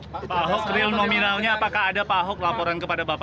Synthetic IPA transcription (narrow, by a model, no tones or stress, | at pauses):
paɦɔk̚rɪlnominalɲaːpakahːdapaɦɔk̚lapɔɾankəpadabapa